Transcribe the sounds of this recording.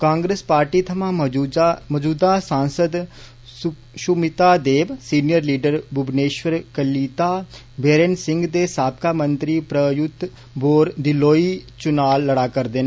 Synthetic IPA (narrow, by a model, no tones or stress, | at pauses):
kãːŋɡɾeːspaːɾʈiːt̪ʰəmãː | məd͡ʒuːd̪aːsãːnsəd̪ | ʃʊmɪt̪aːd̪eːbsiːnijəɾliːɖəɾbʊbneːʃwəɾkəliːt̪aː | beːɾeːnsɪ̃ŋɡd̪eːsaːp̚kaːmənt̪ɾiːpɾəjʊt̪ | boːɾd̪ɪloːiːt͡ʃʊnaːlːəɽaːkəɾd̪eːn